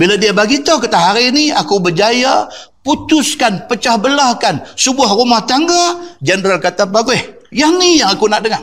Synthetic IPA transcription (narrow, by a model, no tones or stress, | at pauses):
biladiabaɡit̪okat̪aɦaɾiniakubərd͡ʒaja | put̪ʊskanpət͡ʃahbəlahkansəbuahrumaht̪aŋɡad͡ʒəndɾalkat̪abaɡuehjanijaŋakunaʔdəŋaŋ